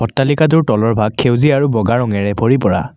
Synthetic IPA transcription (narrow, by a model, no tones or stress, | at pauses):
pɔtːalikat̬ʊɹtɔlɔɹbʱaɡ̚ʰewziaɹubɔɡaɹɔŋɛɹɛbʱoɹipɔɹa̰